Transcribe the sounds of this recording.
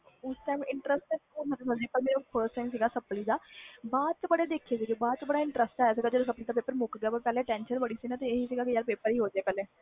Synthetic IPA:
ʊsʈajmɪ̃ɳʈɾəsʈɛkuːsət̪esə̃nd͡ʒeːkəlmeːɾopʰəɾsʈajmsiːɡaːsəpliːd̪aːbaːd̪̚t͡ʃəbəɽeːd̪eːkʰːeːsed͡ʒobaːd̪̚t͡ʃəbəɽaːɪɳʈɾəsʈaːjas̬iːɡad͡ʒedosəpliːd̪aːp̬eːpəɾmʊkɡaːpəkəlɛːʈɛ̃ːnʃənbəɽiːsiːnãt̪eeɦiːsiːɡaːkɪjalpeːpəɾiːɦoːd͡ʒɛːkəleː

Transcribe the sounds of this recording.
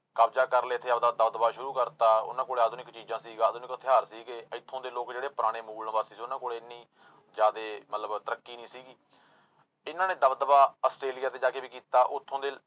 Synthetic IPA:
kaːbd͡ʒaːkəɾleːt̪ʰːeːəbd̪aːd̪əbd̪əbaːʃʊɾuːkəɾt̪aːʊ̰nãːkoːɽeːaːd̪oːnɪkt͡ʃiːd͡ʒãːsiːɡaːd̪oːnɪkt̪ʰɪɦaːɾsiːɡeːəɪt̪ʰːõːd̪eːloːkd͡ʒeːɽeːpəɾaːɽ̃eːmuːlnːbaːsiːsiːʊnãːkoːɽeːɪnːĩː | d͡ʒaːd̪eːmət̪ləbt̪əɾəkːiːnĩːsiːɡiː | ɪnãːnẽːd̪əbd̪əbaːəsʈɾeːlijaːt̪̬eːd͡ʒaːkeːbiːkiːt̪aːʔʊt̪ʰːõːd̪eː

